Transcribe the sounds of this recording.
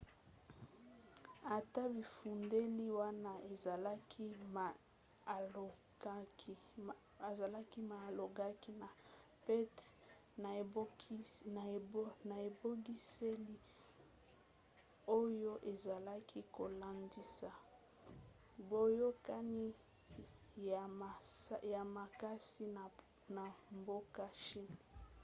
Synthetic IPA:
a˨ta˦bi˨fu˨nde˦li˦wa˦na˦e˨za˨la˦kʰi˦ma˨ | o˨ɡa˦ki˦ | a˨za˨la˦ki˦ma˨lo˨ɡa˦ki˦na˨pɛ˦t | n˨˦na˨˦na˨e˨bo˦ɡi˦se˦li˦ | o˦jo˦ʔe˨za˨la˦kʰi˦ko˨la˨ndi˦sa˨ | bo˦jo˦ka˦ni˦ | a˨˦ja˨ma˨ka˦si˦˨ | na˨mbo˦ka˦ʃi˦n˨

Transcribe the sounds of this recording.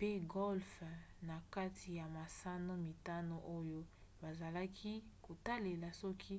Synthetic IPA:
pe˦ɡɔ˦lf | na˨ka˦tʰi˨ja˨ma˨sa˦no˦mi˨ta˦no˨ʔo˦jo˦ | ba˨za˨la˦kʰi˦ko˨ta˦le˨la˨sɔ˦kʰi˦

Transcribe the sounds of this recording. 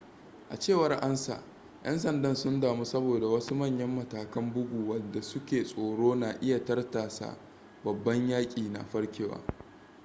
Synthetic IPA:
ʔa˨t͡ʃeː˦˨wɐ˦rʔa˦nsa̰˨ʔ | j̰ʔɐ̰˦nsɐ˨ndɐ˦nsʊ˦ndaː˨mu˦sɐ˦boː˨da˨wɐ˦su˦mɐ˦˨ɲjɐ˦mːɐ˨taː˨kɐ˦mbʊ˦ɡʷuː˨wɐ˨dːa˨sʊ˦kʲeː˨sʼoː˨ɽoː˦naː˨ʔɪ˦ja˨tɐ˦rtaː˨sa̰˨ | bɐ˨bːɐ˦ɲjaː˦kʲʼiː˨na̰˨ɸɐ˦ɽkʲeː˦˨wa̰ː˨

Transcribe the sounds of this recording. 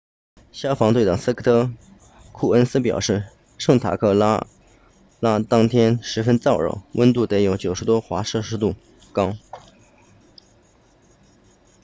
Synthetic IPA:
ɕjɑ˥ʊfɑ˧˥ŋt̪wɪɑ˨˩ŋs̩˥kʰə˥t̪ʰɤ˥ | kʰu˥˩ə˥nsɹ̩˥pjɑ˨˩ʊʂɻ̩˥˧ | ʂɤ˥˩ŋt̪ʰa̰˨˩kʰɤ˥˩la˥ | la˥t̪ɑ˥ŋt̪ʰjɛ˥nʂɻ̩˧˥fə˥nt͡sɑ˥˧ʊɻə̰˧˩˥wə˥nt̪u˥˩t̪e˧˥ɪjo˧˥ʊt͡ɕjo˨˩ʊʂɻ̩˧˥t̪wɔ˥xwa˧˥ʂɤ˥˩ʂɻ̩˥t̪u˥˩ | kɑ˥ʊ

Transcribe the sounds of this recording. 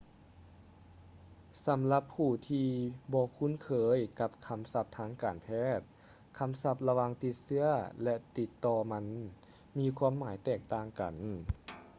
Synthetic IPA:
sa˨˦mla˧˦pʰːuː˧˩t̪ʰiː˧bɔː˧˦kʰu˧˥˨nkʰɤː˨˦jka˧p̚kʰa˧msa˧˥p̚t̪ʰaː˧˥ŋkaː˨˩npʰɛː˥˩t̪̚ | kʰa˧msa˧p̚la˧waː˧ŋt̪i˧t̪̚sɯ˧˥ɐəlɛ˧t̪i˧t̪ːɔː˧ma˧n | miː˧kʰwaː˧˥˨mːaː˨˩˦jt̪ɛː˧˩k̚t̪aː˧˩ŋka̰˨˩n

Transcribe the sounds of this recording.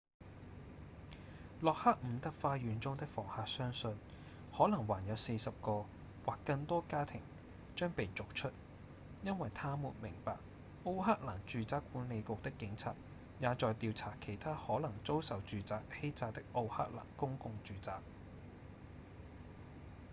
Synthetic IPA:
lɔː˨k̚hɐ˥k̚m̩˨˧t̪ɐ˥k̚faː˧jyː˨˧nt͡sʊ˥ŋt̪ɪ˥k̚fɔ̰ː˨˩ŋhaː˨k̚sœː˥ŋsɵ˨˧n | hɔː˨˥lɐ˨˩ŋwaː˨˩njɐ˨˧wse˧jsɐ˨p̚kɔː˧ | waː˨kːɐ˧ŋt̪ɔː˥kaː˥t̪ʰɪ˨˩ŋ | t͡ʃœː˥ŋpe˨jt͡sʊ˨k̚t͡ʃʰɵ˥t̚ | jɐ˥nwɐ˨jt̪ʰaː˥muː˨˩nmɪ˨˩ŋpaː˨k̚ | ʔo˧whaː˥k̚la̰ː˨˩nt͡ʃyː˨˧t͡saː˥kːuː˨˥nle˨˧jkʊ˨k̚t̪ɪ˥kːɪ˨˥ŋt͡sʰa̰ː˧˩t̚ | jaː˨˧t͡ʃɔː˨˧jt̪iː˧wt͡sʰaː˨˩kʰe˨˩jt̪ʰaː˥hɔː˨˥lɐ˨˩ŋt͡so˥wsɐ˨wt͡ʃyː˨t͡saː˨k̚he˥jt͡saː˧k̚t̪ɪ˥k̚ʔo˧wha̰ː˥k̚la̰ː˨˩nkʊ˥ŋkʊ˧ŋt͡ʃyː˨t͡saː˨k̚

